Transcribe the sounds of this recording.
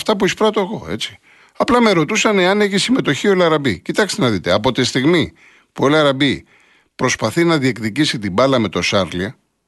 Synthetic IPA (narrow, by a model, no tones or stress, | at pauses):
ft̪ɐpuispɾɐt̪oeɣo̞e̞̰t͡si̥ | ɐplɐme̞ɾo̞t̪usɐne̞ɐne̞çisime̞t̪o̞çiolɐɾɐbicit̪ɐkst̪enɐðit̪e̞ɐpo̞t̪ist̪iɣmi | puelɐɾɐbi | pɾo̞spɐθinɐðie̞kðicisit̪ibɐlɐme̞t̪o̞sɐɾliɐ